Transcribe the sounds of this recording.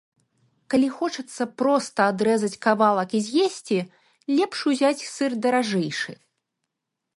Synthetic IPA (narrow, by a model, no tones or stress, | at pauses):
kalʲixɔt͡ʂɐt̪sːɐpɾɔst̪ɐad̪ɾɛzɐt͡sʲkavalˠɐkizʲjɛsʲt͡sʲi | lʲɛpʂuzʲat͡sʲsɨrd̪ɐɾaʐɛjʂɨ̰